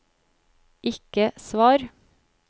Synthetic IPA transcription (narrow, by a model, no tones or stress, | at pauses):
ʔɪkəsʋɑːɾ